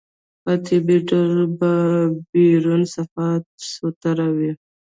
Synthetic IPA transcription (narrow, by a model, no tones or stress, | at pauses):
pat̪ʰibiʈaɾbabiɾunsafat̪̚sot̪aɾawi